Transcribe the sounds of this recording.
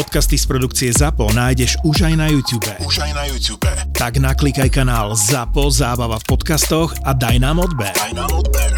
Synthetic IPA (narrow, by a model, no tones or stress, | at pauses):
pɔt̪kast̪ispɾɔd̪ukt͡siɛzapɔnaːjɟɛʒuʒajnajuːt̪uːbɛuʒjnajuːtuːbɛt̪aɡnaklikajkanaːlzapɔzaːbaʋafpɔt̪kast̪ɔɣad̪ajnaːmɔd̪bɛɾɛ